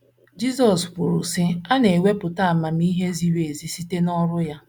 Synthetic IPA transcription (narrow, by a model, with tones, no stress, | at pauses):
d͡ʒi˦zɔ˨spʊ˨ɾʊ˨sɪ˦a˦ne˨we˦pʊ˨ta˦a˨ma˨m̩i˦ɦe˦zi˦we˨zi˨si˦te˦nɔ˦ɾʊ˦ja˦